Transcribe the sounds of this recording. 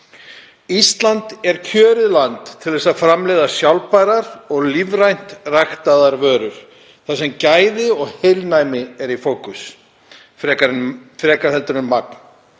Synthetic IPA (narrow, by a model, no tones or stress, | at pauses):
ist̪lant̪ɛɾ̥cʰœːɾɪðlant̪ʰːɪlðɛsaðfɾamlɛðasjawlpajɾaɾɔɣlivɾajn̥t̪rajxt̪aðaɾvœːɾʏɾ̥ | θasɛmcaːjðɪɔɣhejlnajmɪɛɾifowkʏs | fɾɛːkaɾfɾɛːkaɾ̥hɛlt̪ʏɾʏmːak̚n